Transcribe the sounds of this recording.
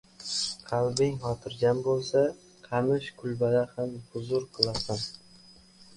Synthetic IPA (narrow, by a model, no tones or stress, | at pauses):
qʰɑlˠbɪŋhɒt̪ʰɪɾɡʲanbolˠsa | qʰɑmɪʃkʰʊlˠbad̪ahambʊzʊɾqʰɨlˠasan